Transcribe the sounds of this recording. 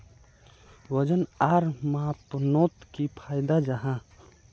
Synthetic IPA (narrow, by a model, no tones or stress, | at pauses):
ʋəd͡ʒənaɾmat̪wənot̪kipʰaɪd̪ad͡ʒaɦã